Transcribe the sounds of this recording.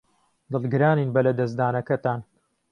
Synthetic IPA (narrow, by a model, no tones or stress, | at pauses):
d̪ɨlˠɡɨɾaːniːnbɐlɐd̪ɐz̬d̪aːnɐkɐt̪aːn